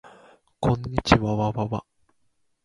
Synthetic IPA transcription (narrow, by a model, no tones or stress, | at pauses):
kʰõ̞ɲːit͡ɕiβaβaβaβa